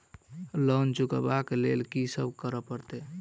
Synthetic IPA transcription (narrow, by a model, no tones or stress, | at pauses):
lənt͡ʃukəbakelelkisəbkəɾəpəɾt̪e